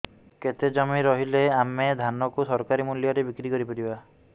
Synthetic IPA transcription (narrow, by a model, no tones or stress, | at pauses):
ket̪ed͡ʒɔmiɾɔɦileamed̪ʱanɔkusɔɾkaɾimuljɔɾebikɾikɔɾipɔɾiba